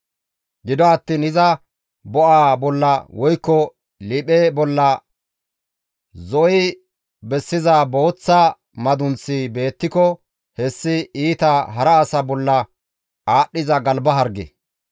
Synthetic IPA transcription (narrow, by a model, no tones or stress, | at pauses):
ɡɪd̪ɔɐt̪ːiːnɪzɐ | bɔʔaːbɔlːɐwɔjkːɔ | lɪpebɔlːɐ | zɔʔɪ | bɛsːɪzabo̞ːt͡sːa | mɐd̪ʊnt͡sːibe̞ːt̪ːɪkɔ | hɛsːɪiːt̪ɐɦɐɾɐːsɐbɔlːɐ | aːɗːɪzɐɡɐlbɐɦɐɾɡɛ̰